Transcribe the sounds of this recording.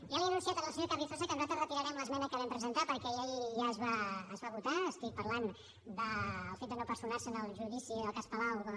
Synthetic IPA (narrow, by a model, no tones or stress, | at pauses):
ʒaliənũnsiat̪ənəlˠsəɲoɾkaɾβifozəkənzat̪ərət̪iɾəɾɛmləzmɛnəkəβɛmpɾəzənt̪apəɾkɛeʎʒaəzβaəzβaβut̪aəst̪ik̚pəɾlan | d̪əlˠfet̪̚d̪ənopəɾsunaɾsənəlˠʒuðisiəlˠkaspəlaw